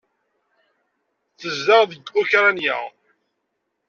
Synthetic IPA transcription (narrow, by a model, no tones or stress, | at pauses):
θəzːaʁðəɡʊçɾanjæ̰